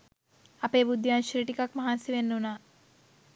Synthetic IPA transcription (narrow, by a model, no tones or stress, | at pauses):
ɐpeːbud̪ʱːjaːnʃɾiʈikakmɐɦansiʋenːuna